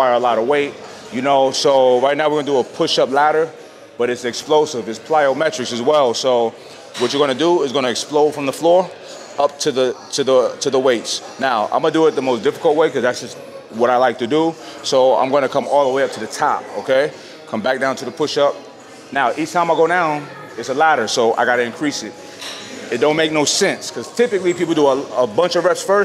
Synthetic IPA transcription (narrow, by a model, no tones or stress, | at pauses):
faɪə˞əlɔɾəweɪt̚ | jɨnoʊsoʊɹaɪt̚ⁿnaʊwəɹɡʌndəəpʰʊʃʌplæɾə˞ | b̥ʌɾɨtsɨksploʊsɪvɨtspʰl̥aɪoʊmɛt͡ʃɹ̥ɨksɨzwɛlˠsoʊ | wʌt͡ʃə˞ɡʌ̃nɨdəɪzɡʌnɨɨksploʊfɹʌ̃mðəflɔɹ | ʌp̚tʰɨðɨtʰɨðətʰɨðəweɪts | naʊã̰ɪmɡʌnədəɪt̪̚ðəmoʊsd̥ɪfə̥kl̩ˠt̚weɪkʰʌzðætsd̥ʒ̥ʌst̚ | wʌɾaɪlaɪk̚tʰɨdəsoʊã̰ɪ̃mɡoʊɪ̃nʰɨkʰʌ̃mɔlˠðəweɪʌp̚tʰɨðɨtʰɑ̰p̚oʊkʰeɪ | kʰʌ̃mbæk̚d̥ãʊ̃ntʰɨðəpʰʊʃʌp̚ | naʊʔit͡ʃtʰãɪ̃maɪɡoʊɾãʊ̃n | ɨtsəlæɾə˞soʊʔa̰ɪɡɑɾɨɨ̃nkʰɹ̥isɨt | ɨt̚d̥õʊ̃nmeɪk̚noʊsɛ̃nskʰʌz̥tʰɪpɨklipipl̩ˠdəəəbʌ̃nt͡ʃʌvɹɛpsfɜ˞s